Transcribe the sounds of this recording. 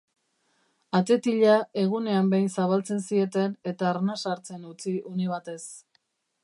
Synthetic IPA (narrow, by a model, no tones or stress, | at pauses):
at̪e̞t̪iʎae̞ɣ̞une̞ambejnsaβalt͡se̞nsie̞t̪e̞ne̞t̪aːɾnasaɾt͡se̞nut͡siʔuniβat̪e̞s